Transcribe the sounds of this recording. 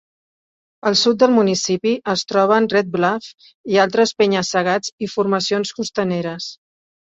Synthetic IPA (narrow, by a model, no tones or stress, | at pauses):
əlˠsut̪̚d̪əlˠmunisipiʔəst̪ɾɔβ̞ənrɛt̪̚blaf | ialˠt̪ɾəspeɲəsːəɣad͡zifuɾməsionskust̪əneɾəs